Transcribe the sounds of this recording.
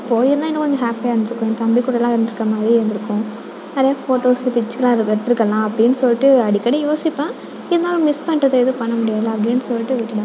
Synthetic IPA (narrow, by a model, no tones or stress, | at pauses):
ɪpːoːɪðɐnãːɪɛnːɐ̃kɔɲd͡ʒõɦaːpiaːɾɯnd̪ɪɾɯkːʊ̃t̪ɐmbikʊɽɐlãːɪɾɯnd̪ɪɾɯkːɐmaːðɾiɪɾɯnd̪ɪɾɯkːʊ̃ | ɐðɐjafoːʈoːspɪt͡ʃːkːɐlãːɪɾɛɽɯt̪ːɪɾɯkːɐlãːɐpːɐɽɪnːɯsɔlːɪʈːɯɐɽɪkːɐɽɛjoːsɪpːãː | ɪðɐnaːlʊ̃mɪspɐɳrɐðɐɛðɯpɐɳːɐmʊɽɪjaːðɯlãɐpːɐɽɪnːɯsɔlːɪʈːɯʋɛʈːɪɽɯ̃